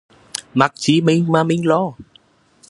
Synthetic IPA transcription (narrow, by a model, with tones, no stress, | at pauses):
ma˨˩k̚t͡ɕi˨˦mi˧ŋ̟maː˧mï˧ŋ̟lɔ˧